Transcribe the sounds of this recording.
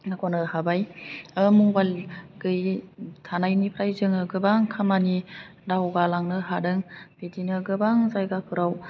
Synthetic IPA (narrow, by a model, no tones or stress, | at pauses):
nakʰɔnɯhabajɯmuŋbalɡɯjtʰanajnipʰɾajzɯŋɯɡɯbaŋkʰamani | dawɡalaŋnɯɦadɯŋbedinɯɡɯbaŋzajɡakʰɯɾaw